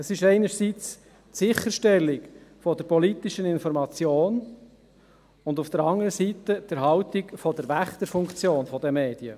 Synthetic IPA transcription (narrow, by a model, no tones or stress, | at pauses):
əsɪʃɛɪnəɾsiːt͡s | tsɪχəɾʃtɛlːɪkfɔdəɾpɔlit̪ɪʃənɪnfɔɾmɑt͡sjoːn | ʊnd̪ufd̪̥əɾɑŋəɾəsit̪əd̪̥əɾɦɑwt̪ɪkfɔd̥əɾvæχt̪əɾfʊŋkt͡sjoːnfɔdɛmeːd̥iə